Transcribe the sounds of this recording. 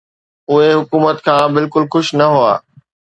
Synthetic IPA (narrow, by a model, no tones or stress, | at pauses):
ʊɦeɦʊkuːmət̪kʰãːbɪlkʊlxʊʃnɐɦʊa̰ː